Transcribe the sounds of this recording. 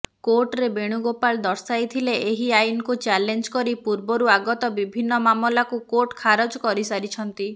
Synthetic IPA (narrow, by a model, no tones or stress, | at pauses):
koɾʈɾebeɽ̃uɡopaɭd̪ɔɾsajt̪ʰileeɦiajnɔkut͡ʃalend͡ʒkɔɾipuɾbɔɾuaɡɔt̪ɔbibʱinːɔmamɔlakukoʈkʰaɾɔd͡ʒkɔɾisaɾit͡ʃʰɔnt̪i